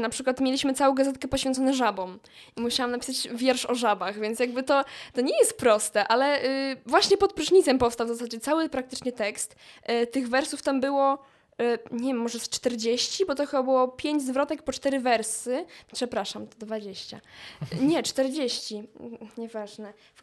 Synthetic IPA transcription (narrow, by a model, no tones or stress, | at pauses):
napʂɘkwat̪mʲelʲiɕmɘt̪sawɔ̃ɡazɛt̪̚kɛpɔɕ̬ʲɛnt̪sɔnɛʐabɔm | imuɕawamnapʲi̥sat͡ɕvʲjɛɾʂɔʐabaɣvʲjɛnt̪sjaɡbɘt̪ɔt̪ɔɲɛjɛst̪̚pɾɔst̪ɛʔalɛʔvwaɕɲɛpɔt̪̚pɾuʐɲit̪sɛmpɔfst̪awvzasad͡ʑɛt̪sawɘpɾak̚t̪ɘ̥t͡ʂɲɛt̪ɛkst̪t̪ɘɣvɛɾsuft̪ambɘwɔ | ɲɛvjɛmːɔʐɛst͡ʂt̪ɛɾd͡ʑeɕt͡ɕibɔt̪ɔxɘbabɘwɔpʲjeɲd͡ʑzvɾɔt̪ɛk̚pɔt͡ʂt̪ɛɾɘvɛɾsɘpʂɛpɾaʂamt̪ɔd̪vad͡ʑeɕt͡ɕa̰ɲɛt͡ʂt̪ɛɾd͡ʑeɕt͡ɕiɲɛvaʐnɛ | f